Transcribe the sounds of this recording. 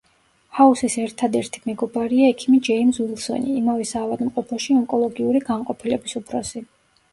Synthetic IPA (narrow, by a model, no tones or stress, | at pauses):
hausisɛɾt̪ʰad̪ɛɾt̪ʰi̥mɛɡɔbaɾiaɛkʰimid͡ʒɛimswilˠsɔ̰nḭimavɛsaːvad̪mqʼɔpʰɔʃiɔŋkʼɔlˠɔɡiuɾiɡamqʼɔpʰilɛbisupʰɾɔsi